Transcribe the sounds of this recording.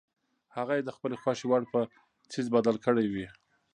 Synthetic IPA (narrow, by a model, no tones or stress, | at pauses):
haɣajed̪əxpəlexwɑʃiwaɽpə | t͡sizbad̪alkəɽawi